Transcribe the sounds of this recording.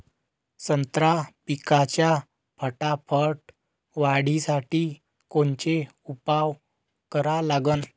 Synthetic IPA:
sənt̪ɾapikat͡ɕja | pʰəʈapʰəʈ | ʋaɽisaʈiː | kont͡ɕe | upaʋ | kəɾalaɡən

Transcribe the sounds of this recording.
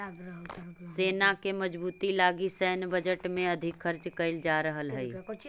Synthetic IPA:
seːnakemɐd͡ʒbuːt̪ilaːɡisɛɦnbɐd͡ʒəʈmẽɐd̪ʱɪkxɐɾt͡ʃkɐɪld͡ʒaːɾəɦəlɦɛi

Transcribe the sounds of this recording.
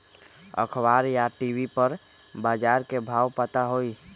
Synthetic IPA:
ə̰kʰbaːɾjaʈibipəɾbaːd͡ʒaːɾkebʱaːwpət̪aɦoi

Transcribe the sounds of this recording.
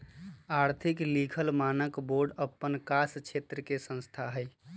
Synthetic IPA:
aɾt̪ʰiklikʰəlmanəkboɾɖəpːənkast͡ʃʰet̪ɾəkesə̃nst̪ʰaɦəj

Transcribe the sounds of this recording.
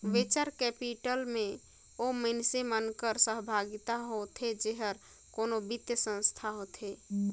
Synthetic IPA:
ʋet͡ʃəɾkɛpiʈəlme | omənsemənkəɾsəɦbʱaɡit̪aɦot̪ʰɦed͡ʒeɦəɾ | konobit̪jəsə̃nst̪ʰaɦot̪ʰɦe

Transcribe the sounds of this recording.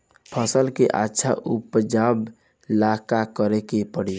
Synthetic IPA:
pʰəsəlkeʔa̰tːʃʰa̰ʔupd͡ʒab | lakakəɾekepəɽ̤i

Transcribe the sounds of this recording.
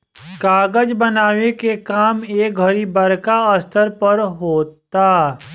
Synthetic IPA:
kaːɡəd͡ʒbɐnaːʋekekaːmeːk̚ɡʱɐɾibɐɾkaɐst̪ʰəɾpəɾɦoːt̪aː

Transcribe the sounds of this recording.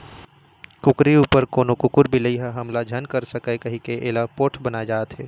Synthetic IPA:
kʊkɾiuːpəɾkoːnokʊkʊɾbʱiləiɦɛɦɐmlad͡ʒʱɐnkəɾsəkəkɐɦikeʔeːlapoːʈʰbɐnad͡ʒaːt̪ɦɛː

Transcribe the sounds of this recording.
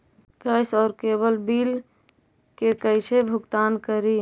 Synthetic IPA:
kəjsɔːɾkeβəlbil | kekəɪt͡ʃʰebʱʊɡt̪ankəɾi

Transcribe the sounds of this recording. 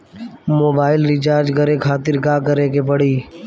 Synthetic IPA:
moːbaːɪlɾɪt͡ʃaːɾd͡ʒkəɾeːkʰaːt̪ɪɾɡaːkəɾeːkepəɽ̤iː

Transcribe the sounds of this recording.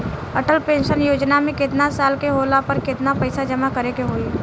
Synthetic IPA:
əʈəlpẽːnʃənjoːd͡ʒnamẽkɪt̪nasaːlkeɦoːlapəɾkɪt̪napəɪsad͡ʒɐmakəɾekeɦoːi

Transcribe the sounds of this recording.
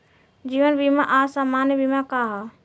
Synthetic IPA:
d͡ʒiːʋənbimaʔasamaːnjbimakaɦa

